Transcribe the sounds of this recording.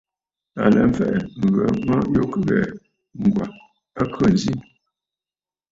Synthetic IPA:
a̰˨lɛ˨m̩˦fɛ˦ʔɛ˨m̩˨və˨mə˦jo˦kə˦ɣɛ˨ | ŋ̩˨ɡwa˨ | ə˦kʰə˦˨n̩˨zi˦

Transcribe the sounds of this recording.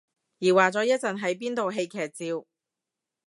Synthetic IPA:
jiː˨˩waː˨t͡sɔː˨˥jɐ˥t̚t͡sɐ˨nɦɐ˨˥jp̬iː˥nt̪o˨wɦe˧jkʰɛː˨t̚t͡siː˧w

